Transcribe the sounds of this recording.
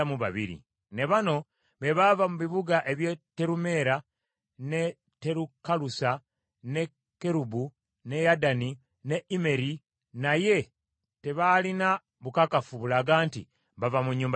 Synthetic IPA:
muβaβḭɾḭ | ne̞βano̞ | βe̞βavamuβiβuɡaʔe̞βjetːe̞ɾume̞ɾa | ne | tːe̞ɾukalusa | ne̞ | kːe̞ɾubu | ne̞jadani | ne̞ime̞ɾi | naje̞ | te̞βaːlina | βukakafuβulaːɡaːntḭ | βavamuɲːuːmb

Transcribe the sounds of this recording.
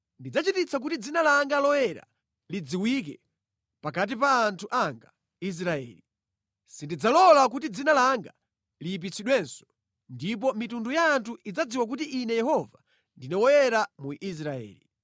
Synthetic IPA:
ndid͡zat͡ʃitit͡sak̬utid͡zinalaŋɡalɔjɛɾa̰ | lid͡ziwikɛ̰ | pakat̬ipaːntʰuʔaŋɡa | is̬ɾaɛ̰ːli | sindid͡zalɔlak̬utid͡zinalaŋɡa | liːp̬it͡sʰiɗwɛnsɔ̥ | ndip̬ɔmitundujaːntʰuʔid͡zad͡ziwak̬utiʔiːnɛjɛhɔva | ndinɛwɔjɛɾamuʔis̬ɾaɛ̰ːli

